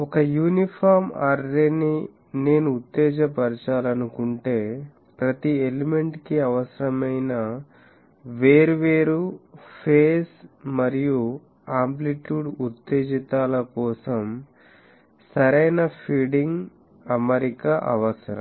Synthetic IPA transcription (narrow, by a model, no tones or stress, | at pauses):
ɔkɐjuːnipʰaːɾmaːɾɾeni | ne̞ːnuːt̪ːeːd͡ʒɐpɐɾt͡ʃaːlɐnukuɳʈe̞ː | pɾɐt̪ieleme̞ɳʈkiɐʋɐsɐɾɐmɐjnɐ | ʋeːɾuʋeːɾupʰeːsmɐɾiju | aːmpliʈjuːɖut̪ːeːd͡ʒit̪aːlɐkɔːsɐm | sɐɾɐjnɐpʰiːɖiŋɡ | ɐmɐɾikɐʔɐʋɐsɐɾɐ̰m